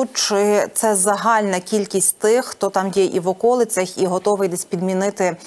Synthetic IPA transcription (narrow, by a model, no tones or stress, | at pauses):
ut͡ʃɪt̪sɛzɐɦɑlʲnɐkʲilʲkʲisʲtʲt̪ɪxːt̪ɔt̪ɑmjɛʔiʋɔkɔlˠɪt͡sʲɐxiɦɔt̪ɔʋɪjd̪ɛsʲpʲid̪mʲinɪt̪ɪ